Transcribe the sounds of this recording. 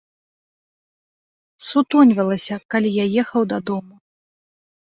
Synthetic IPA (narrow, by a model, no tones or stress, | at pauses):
sut̪ɔnʲvʲɐlˠɐsʲɐkalʲijajɛxɐwd̪ɐd̪ɔmu